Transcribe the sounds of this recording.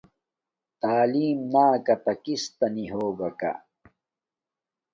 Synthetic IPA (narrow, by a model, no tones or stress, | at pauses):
t̪aːliːmnaːkɐt̪ɐkist̪ɐniɦoːbɐka̰